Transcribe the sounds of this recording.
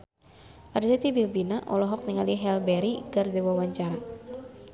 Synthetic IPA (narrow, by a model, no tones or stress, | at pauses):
ʔarzɛt̪ibilbinaʔɔlɔɦɔk̚niŋaliɦɛlbɛɾiɡard̪ɛwawaɲt͡ʃaɾa